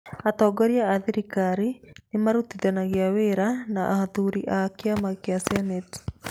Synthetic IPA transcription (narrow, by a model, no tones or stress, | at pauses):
at̪ɔɡɔɾjaːðiɾikaɾinɪmaɾut̪iðanaɣeaweɾanaʔa̰haðuɾiʔakeamakeasɛnɛt